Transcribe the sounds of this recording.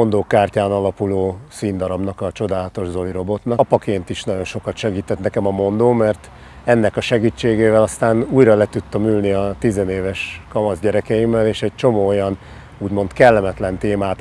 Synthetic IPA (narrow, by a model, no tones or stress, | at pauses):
ond̪oːkːaːrcaːnɒlɒpuloːsiːnd̪ɒɾɒbnɒkɒt͡ʃo̞d̪aːlɒt̪o̞ʒzo̞jɾo̞bo̞t̪nɒpɒkeːnt̪iʃnɒɟo̞nʃo̞kɒt̪ʃɛɡiːt̪ɛt̪nɛkɛmɒmo̞nd̪oːmɛrt̪ | ɛnːɛkɒʃɛɡiːt͡ʃːeːɡeːvɛlɒst̪aːnuːjrɒlɛt̪ut̪ːɒmyːlniɒt̪izɛneːvɛʃkɒmɒzɟɛɾɛkɛjimːɛleːʃɛɟ̚t͡ʃo̞moːojɒn | uːɟmo̞nt̪kɛlːɛmɛt̪lɛnt̪eːmaːt̪